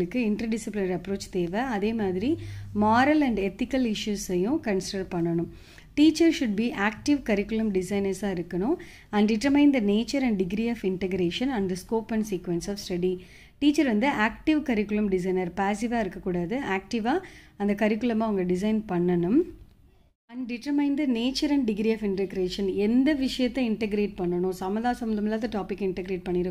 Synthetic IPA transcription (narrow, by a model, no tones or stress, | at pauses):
ɯkːɯɪɳʈɾɐɾɖɪsɪplɪnɐɾɐpːɾoːt͡ʃt̪eːʋɛɐðeːmaːðɪɾimaːɾɐlɐ̃ɳɖɛt̪ɪkːɐlɪʂjuːsɐjʊ̃kɐnsɪɖɐɾpɐɳːɐɳɯ̃m | ʈiːt͡ʃːɐɾʃʊɖ̚biʔaːk̚ʈɪʋkɐɾɪkːʊlɐmɖɪsɐɪnɐɾsaːɪɾɯkːɐɳʊ̃ | ɐɳɖɪʈːɾɐmɐɪnd̪ɐneːt͡ʃɐɾɐ̃ɳɖɖɪɡɾiɔːfɪɳʈɛɡɾeːʂɐ̃nɐ̃ɳɖd̪ɐskoːpɐ̃ɳɖsiːkʋɛnsɔːfsʈɐɽi | ʈiːt͡ʃːɐɾʋɐnd̪ɯaːk̚ʈɪʋkɐɾɪkːʊlɐmɖɪs̬ɐɪnɐɾpaːsɪʋaːɪɾɯkːɐkːuːɽaːðɯʔaːk̚ʈɪʋaːɐnd̪ɐkɐɾɪkːʊɭɐmaːʋɐŋɡɐɖɪs̬ɐɪnpɐɳːɐnɯm | ɐɳɖɪʈːɐmɐɪnd̪ɐneːt͡ʃːɐɾɐɳɖɖɪɡɾiɐːfɪɳʈɐɡɾeːʂɐnɛnd̪ɐʋɪʂɐjɐt̪ːɐɪɳʈɛɡɾeːʈ̚pɐɳːɐɳʊ̃sɐmɐðaːsɐmɐnd̪ɐmɪlːaːðɯʈaːpɪkːɪɳʈɐɡɾeːʈ̚pɐɳːɪɾɯ